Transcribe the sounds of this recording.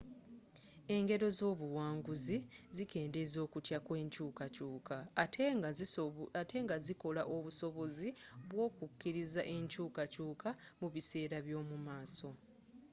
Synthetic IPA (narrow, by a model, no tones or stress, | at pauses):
e̞ŋɡe̞ɾo̞zo̞ːβuwaːŋɡuzizike̞ːnde̞zo̞ːkutjakwe̞ːɲcuːkacuːka | ate̞ːŋɡaziko̞laʔo̞βuso̞βo̞ziβwo̞ːkukːiɾizaʔe̞ɲcuːkacuːkamuβise̞ːɾaβjo̞ːmumaːso̞